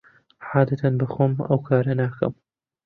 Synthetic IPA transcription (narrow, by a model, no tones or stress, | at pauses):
ʕaːd̪ɐt̪ʰɐnbɨxomʔɐ̰wkʰaːɾɐnaːkɐ̰m